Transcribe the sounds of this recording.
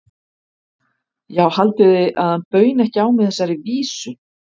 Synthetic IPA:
jaːwhalt̪ʏðɪʔa̰ðhanpœːɥnɛhcɪaːwmɪðθɛsːaɾiviːsʏ

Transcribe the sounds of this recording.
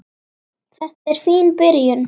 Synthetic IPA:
θɛht̪ɛɾ̥fiːnpɪɾjʏn

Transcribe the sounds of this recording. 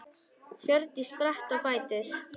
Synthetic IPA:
çœɾt̪ispɾaht̪afaːjt̪ʏɾ̥

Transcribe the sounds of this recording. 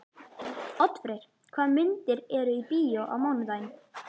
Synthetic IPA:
ɔt̪fɾejɾ̥ | kʰv̥aːðmɪnt̪ɪɾɛɾʏipiːjoʔa̰wmawnðajn

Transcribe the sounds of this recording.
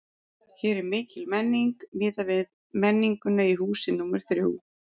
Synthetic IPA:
çɛːɾɛɾmɪːcɪlmɛnːiŋkmɪːðavɪð | mɛnːiŋkʏnːaiɦuːsɪnuːmaɾ̥θɾjo̰w

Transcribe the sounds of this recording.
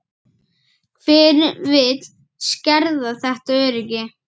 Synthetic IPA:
kʰvɪːɾvɪt̪l̥ | scɛɾðaθɛht̪aœɾɪcɪ

